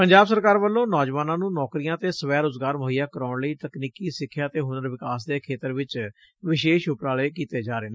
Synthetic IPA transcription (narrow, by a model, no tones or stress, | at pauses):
pəɲd͡ʒaːbsəɾkaːɾʋəlːõːnɔːd͡ʒʋaːnãːnũːnɔːkɾijãːt̪eːsəʋɛːɾʊzɡaːɾməɦɪjaːkəɾaːʊɳləiːt̪əkniːkiːsɪkʰːjaːt̪eːɦʊnəɾʋɪkaːs̬d̪eːkʰeːt̪əɾʋɪt͡ʃ | ʋɪʃeːʃʊpɾaːleːkiːt̪eːd͡ʒaːɾeːneː